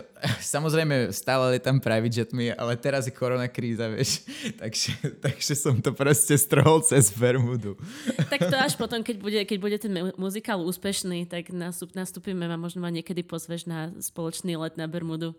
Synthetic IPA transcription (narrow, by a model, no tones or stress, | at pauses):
samɔzɾɛɪmɛst̪aːlɛlɛt̪ampɾaʋid͡ʒɛt̪mia̰lɛt̪ɛɾazjɛkʰɔɾɔnakɾiːzaʋɪɛ̰ʃt̪aɡʒ̥ɛt̪aɡ̥ʒ̥ɛsɔmt̪ɔpɾɔscɛst̪r̩ɦɔlˠt͡sɛzbɛɾmud̪ut̪ak̪ɔaʃpɔt̪ɔmkɛɟbuɟɛkɛɟbuɟɛt̪ɛnmuzikaluːspɛʃniːt̪aɡnasunast̪uːpimɛmamɔʒnɔmaɲɪɛkɛd̪ipɔzʋɛʒnaspɔlɔt͡ʃniːlɛd̪nabɛɾmud̪u